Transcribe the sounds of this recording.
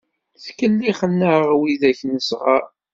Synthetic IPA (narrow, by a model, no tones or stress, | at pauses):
θkəlːiχənːəʁwiðæçnəsʁa